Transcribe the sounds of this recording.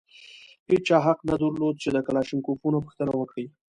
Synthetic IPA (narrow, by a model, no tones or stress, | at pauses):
pet͡ʃɑɦaqnad̪əɾlod̪̚t͡ʃed̪əkalɑʃɪŋkopunopə̥xt̪ənawəkɽij